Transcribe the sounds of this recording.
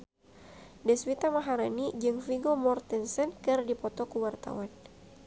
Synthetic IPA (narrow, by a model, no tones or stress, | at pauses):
dɛswit̪amaɦaɾanid͡ʒɨŋfiɡomɔrt̪insɛnkɨrdipɔt̪ɔkuwart̪a̰wan